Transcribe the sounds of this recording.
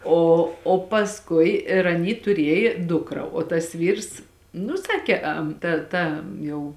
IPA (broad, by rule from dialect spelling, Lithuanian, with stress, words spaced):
ˈoː oː pɐsˈkʊɪ ɪr ɐˈnʲiː tʊˈrʲiɛjeː ˈdʊkrɐ oː tɐs ˈʋʲiːrs nʊ ˈsɑːkʲeː ɐm ˈtɐ ˈtɐ ˈjɛʊ